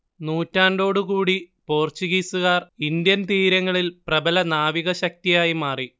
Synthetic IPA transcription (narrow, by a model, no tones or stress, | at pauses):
nuːtːaːnɖo̞ːɽukuːɽipo̞ːrt͡ɕuɣiːsuɣaːrind̪jɐnt̪iːɾɐŋːɐɭilprɐbɐlɐnaːʋiɣɐɕɐk̚t̪ijaːjimaːri